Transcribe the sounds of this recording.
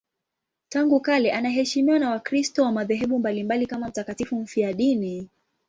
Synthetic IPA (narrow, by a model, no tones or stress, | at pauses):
taŋɡukalɛʔanaɦɛʃimiwanawakɾistɔwamaðɛɦɛɓumbalimbalikamam̩takatifum̩fiaɗini